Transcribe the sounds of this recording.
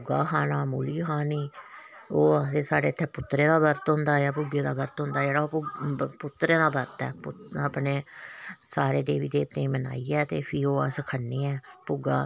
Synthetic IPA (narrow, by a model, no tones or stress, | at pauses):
ɡaːkaːnaːmuːliːɦaːniː | oːaeːsaːɖeːət̪ʰːɛːpʊt̪ːɾẽːd̪aːbəɾt̪ɦʊnd̪aːjaːpuɡeːd̪aːbəɾt̪ɦʊ̃nd̪aːd͡ʒeːɽaːoːpʊt̪ːɾẽːd̪aːbəɾt̪ɛ̰ːpʊaːpneːsaːɾeːd̪eːʋiːd̪eːbt̪ẽːĩːməna̰ːiːɛːt̪eːpʰiːoːəsəkʰənːeːɛːpʊɡaː